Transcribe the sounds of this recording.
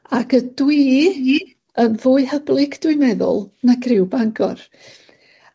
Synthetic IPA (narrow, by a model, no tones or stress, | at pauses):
akʰədwiː | ənvʊːɨhəblˠɪɡdwʊɨmɛðʊ̰lˠnaɡʰrɪwbaŋɡɔr